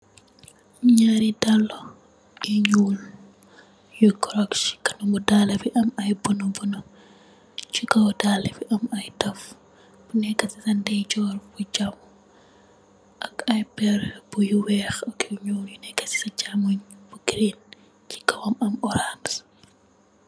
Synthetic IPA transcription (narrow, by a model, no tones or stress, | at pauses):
ɲaɾidalːɔ | iɲuːl | jukɔɾɔkʃi̥kɐnumudalɐfiʔɐmɐjbunɔbunɔ | t͡ʃikɐwdaːlɐfiʔɐmɐjdɐf | b̥unɛkːɐsisɐndɛjt͡ʃɔːrbud͡ʒam | ʔɐkɐjbɛrb̥ujuwɛxɐkiɲuːljunɛkːɐsi̥sɐɟamuɲb̥uɡɾin | t͡ʃi̥kɐwɐmɐmɔɾans